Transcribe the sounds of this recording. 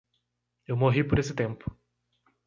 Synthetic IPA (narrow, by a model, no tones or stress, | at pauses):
ewmoɦipoɾesɪt̪ẽmpʊ̥